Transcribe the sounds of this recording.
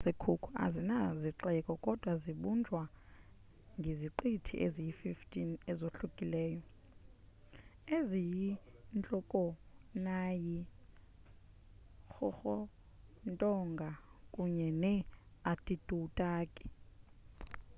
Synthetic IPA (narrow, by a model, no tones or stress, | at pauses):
zekʰukʰua̰zinaziǁɛkʼɔkʼɔd̥ʱwaziɓund͡ʒʱwa | ŋɡʱeziǃitʰḭʔezijififtʼinɛzoɬukʼilɛːjɔ | ezijint͡ɬʼɔkʼɔnaji | xɔxɔ | ntʼɔŋɡʱakʼuɲɛnɛatʼid̥ʼutʼaːkʼi̥